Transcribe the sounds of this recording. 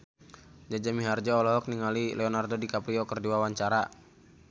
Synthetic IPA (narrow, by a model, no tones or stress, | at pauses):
d͡ʒad͡ʒamiɦard͡ʒaɔlɔɦɔk̚niŋalilɛɔnardodikapɾiɔkərdiwawaɲt͡ʃaɾa